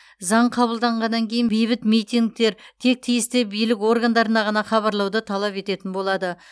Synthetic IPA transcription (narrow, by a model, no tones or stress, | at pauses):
zɑɴqʰɑβəlˠd̪ɑɴʁɑnːɑŋkʲʰe̞jɪnbejbɪt̪mijt̪iŋɡ̚t̪e̞ɾt̪ʰe̞k̚t̪ʰijɪst̪ɪbijlɪko̞ɾɡand̪ɑɾənɑʁɑnɑχɑβɑɾlˠɑwd̪ət̪ʰɑlˠɑpe̞t̪e̞t̪ɪnbo̞lˠɑd̪ə